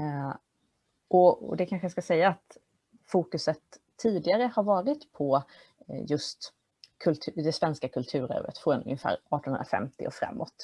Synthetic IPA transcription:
ʔɔɔ̰d̪ɛkʰanɧəjaskasɛjːaːt̪ | fuːkɵsət̪ʰː | iːd̪ɪɡaɾəhaɾvɑːɾɪt̪pʰɔ | jɵst̪ | kʰɵlt̪ʰd̪ɛsvɛnskakʰɵlt̪ʰʉ̟ːɾɛ̰ːɾə̰t̪fɔnɵ̰ŋːɪfæ̰ːɾɑːʈɔnənɾa̰fɛ̰mt̪ɪ̰ɔfɾa̰mːɔt̪

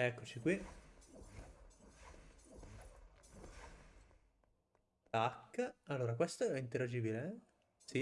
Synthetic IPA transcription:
ɛkːot͡ʃikwi | t̪akːalːoːɾakwest̪oɛint̪eɾad͡ʒiːbile | si

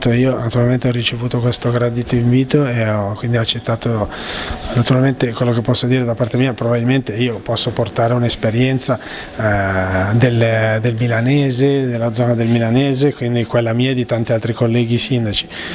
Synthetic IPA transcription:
t̪oiːonat̪uɾalment̪eɔrit͡ʃevuːt̪okwest̪oɡɾad̪it̪oiɱviːt̪oeɔkwind̪iat͡ʃːet̪ːaːt̪o | nat̪uɾalment̪ekwelːok̟epːɔsːod̪iːɾed̪apːart̪emiːapɾobabilment̪eiːopɔsːoport̪aːɾeunespeɾjɛnt̪sa | d̪eld̪elmilanɛːzed̪elːad̪zɔːnad̪elmilaneːzekwind̪ikwelːamiːad̪it̪ant̪ialt̪ɾikolːɛːɡisind̪at͡ʃi̥

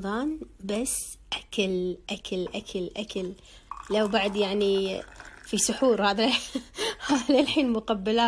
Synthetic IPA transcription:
ðˤɑːnbasː | ʔakalʔakalʔakʰalʔakalː | awbaʕd̪jaʕni | fisʊħuːɾhaːða | haðalħiːnmʊqabːalaː

